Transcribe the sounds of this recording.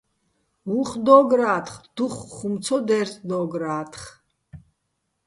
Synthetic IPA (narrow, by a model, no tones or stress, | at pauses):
uχd̪ɔːɡɾaːt̪χd̪̥uχːumt͡sʰɔd̪ɛɾt̪ʰd̪ɔːɡɾaːt̪ʰχ